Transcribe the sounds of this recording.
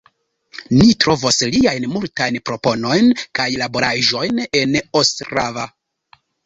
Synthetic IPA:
nitɾo̞vosliajnmultajnpɾo̞po̞no̞jnkajlabo̞ɾaʒo̞jne̞nostɾava

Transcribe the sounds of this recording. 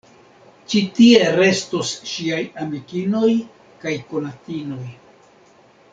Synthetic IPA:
t͡ʃitie̞ɾe̞stosʃiajamikino̞j | kajko̞natino̞j

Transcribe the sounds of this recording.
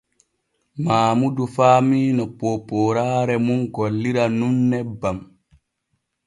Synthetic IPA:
maːmudufaːmiːnɔpɔpɔːɾaːɾɛmunɡɔlːiɾanunːɛbam

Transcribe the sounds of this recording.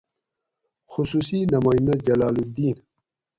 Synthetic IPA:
xusuːsinɐmaːind̪ad͡ʑɐlaːlud̪iːn

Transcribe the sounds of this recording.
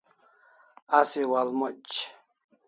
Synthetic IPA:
asiwalmot͡ɕ

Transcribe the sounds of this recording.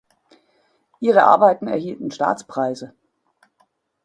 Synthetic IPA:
ʔiːʁəʔa̰ɐbaɪtn̩ɛ̰ɐɦiːltn̩ʃta̰ːt͡spʁ̥aɪzə

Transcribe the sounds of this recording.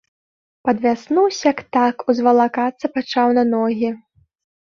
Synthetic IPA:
pɐd̪vʲasnuwsʲjɐkt̪akuzvɐlˠakat̪sːɐpat͡ʂawnɐnɔɣʲi

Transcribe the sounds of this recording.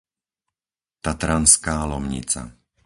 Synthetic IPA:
t̪at̪ɾanskaːlɔmɲḭt͡sa̰

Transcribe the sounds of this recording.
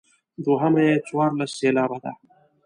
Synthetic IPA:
d̪oɦɐmɐjet͡swaːɾlɐsːeːlaːbɐd̪a̰ː

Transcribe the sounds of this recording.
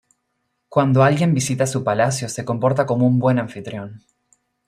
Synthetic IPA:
kwand̪oalɣje̞mbisit̪asupalasjo̞se̞ko̞mpo̞ɾt̪ako̞mo̞umbwe̞naɱfit̪ɾjo̞n

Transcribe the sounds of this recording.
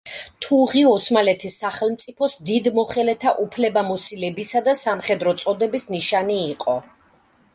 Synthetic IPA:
t̪ʰuʁiɔsmalɛt̪ʰisːaχɛlˠmt̪sʼipʰɔsd̪id̪mɔχɛlɛt̪ʰaʔupʰlɛbamɔsilɛbisad̪asamχɛd̪ɾɔt̪sʼɔd̪ɛbisniʃaniːqʼɔ

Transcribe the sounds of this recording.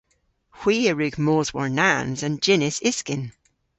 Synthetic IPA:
hw̥iːəɹʉɡmoːzwəɹnãnzə̃nd͡ʒɪnɪsɪskɪ̃n

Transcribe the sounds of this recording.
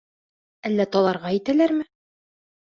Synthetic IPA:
ælːæt̪ɒlˠɑɾʁɑijt̪ælæɾmɘ

